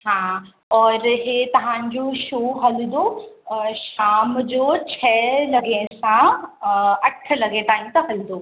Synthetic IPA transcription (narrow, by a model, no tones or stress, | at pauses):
ɦãː | ɔːɾɦeːt̪ɐʋ̤ãːɲ̆d͡ʑoʃoːɦɐlɪd̪o | ʃaːmd͡ʑoːt͡ɕʰɛːlɐɡẽsã | ɐʈʰə̆lɐɡeʈ̪aːĩmt̪ɐɦɐlɪd̪oː